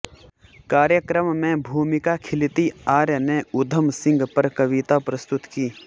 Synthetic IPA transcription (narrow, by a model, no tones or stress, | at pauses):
kaːɾjəkɾəmːẽbʱuːmɪkakʰɪlɪt̪iaːɾjəneʊd̪ʱəmsɪ̃ŋɡpəɾkɐʋɪt̪apɾəst̪ʊt̪kiː